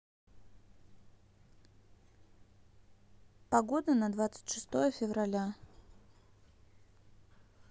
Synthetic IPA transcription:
pɐɡod̪ənɐd̪vat̪sɨ̥tʲʂɨ̥st̪ojəfʲɪvrɐlʲa

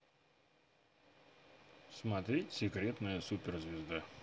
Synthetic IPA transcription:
smɐt̪ɾʲetʲsʲɪkɾʲe̞t̪nɨjəsupʲɪrzʲvʲɪzd̪a

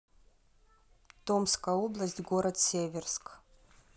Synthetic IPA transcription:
t̪omskajoblˠɐsʲtʲɡoɾɐt̪sʲevʲɪrsk

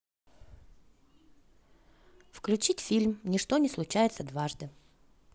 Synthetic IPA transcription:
fklʲʉt͡ɕitʲfʲilʲmnʲɪʂt̪o̞nʲɪslˠʊt͡ɕæjɪt̪səd̪vaʐd̪ɨ

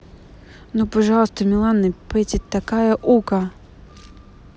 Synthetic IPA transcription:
nupɐʐɑlˠst̪əmʲɪlˠanːɨpɛt̪ʲɪt̪ːɐkajɐʔukɐ

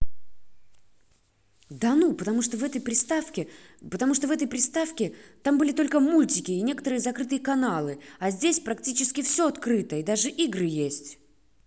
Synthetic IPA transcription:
d̪anupət̪ɐmuʂt̪ovɛt̪əjpɾʲɪst̪afkʲɪpət̪ɐmuʂt̪ovɛt̪əjpɾʲɪst̪afkʲɪt̪ambɨlʲɪt̪o̞lʲkəmulʲtʲɪkʲɪːnʲe̞kə̥t̪əɾɨjəzɐkɾɨt̪ɨjəkɐnalˠɨazʲdʲesʲpɾɐktʲit͡ɕɪskʲɪfsʲo̞ɐt̪kɾɨt̪əid̪aʐɨʔiɡrɨjesʲtʲ

